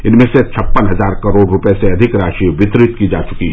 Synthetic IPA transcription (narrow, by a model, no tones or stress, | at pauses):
ɪnmẽset͡ʃʰɐpːənɦɐzaːɾkɐɾoːɽɾʊpeseɐd̪ʱɪkɾaːʃiʋɪt̪ɾɪt̪kid͡ʒaːt͡ʃʊ̥kiɦ